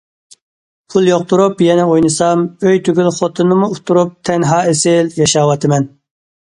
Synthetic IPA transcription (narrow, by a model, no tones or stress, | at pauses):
pʰulˠjoq̚t̪uɾupjɛnɛojnɨsɑmøjt̪ʰyɡʲylχot̪ʰɨnːɨmuːt̪ʰuɾup̚t̪ʰɛnɦɑːesɪljɑʃɑːwɑt̪ʰɪmɛn